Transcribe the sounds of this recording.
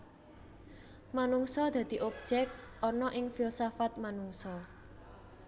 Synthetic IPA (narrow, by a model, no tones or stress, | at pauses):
manuŋsɔd̪̥a̤d̪̥i̤ʔop̚d͡ʒɛkʔɔnɔʔɪŋfilsafat̪̚manuŋsɔ